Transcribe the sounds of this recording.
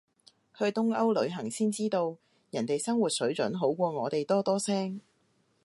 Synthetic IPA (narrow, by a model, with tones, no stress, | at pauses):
hʰɵ˨˧t̪ʊ˥ŋɐ˥wlɵ˨˧ɥɦɐ˨˩ŋsiː˥nt͡siː˥t̪o˧w | jɐ˨˩nt̪e˨jsɐ˥ŋwuː˨t̚sɵ˨˥ɥt͡ʃɵ̰˨˥nɦo˨˥wkʷɔː˧ŋɔː˨˧t̪e˨jt̪ɔː˥t̪ɔː˥sɛː˥ŋ